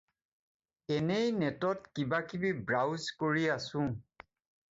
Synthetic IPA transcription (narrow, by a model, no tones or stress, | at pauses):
ɛnejnɛtɔtkibakibibɹawzkoɹiasʊ̃